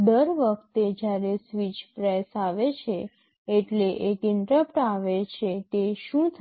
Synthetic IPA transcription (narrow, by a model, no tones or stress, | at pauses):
d̪əɾʋəkʰt̪ed͡ʒjaɾesʋit͡ʃpɾɛsaʋet͡ʃʰeː | ʈleʔekɪɳʈɾəpʈaʋet͡ʃʰet̪eʃũt̪ʰ